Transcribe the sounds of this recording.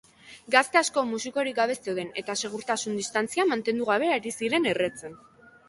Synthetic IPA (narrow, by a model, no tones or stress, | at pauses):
ɡast̪e̞asko̞musiko̞ɾik̚ɡaβ̞e̞st̪e̞wðe̞ne̞t̪ase̞ɣ̞uɾt̪asund̪ist̪ant͡siamant̪e̞nd̪uɣ̞aβ̞e̞eɾisiɾe̞ne̞re̞t͡se̞n